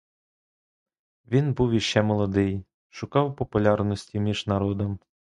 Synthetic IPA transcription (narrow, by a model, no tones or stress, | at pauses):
ʋʲinbuwjiʃt͡ʃːɛmɔlˠɔd̪ɪj | ʃʊkɑwpɔpʊlʲɑrnɔsʲtʲimʲiʒnɐɾɔd̪ɔm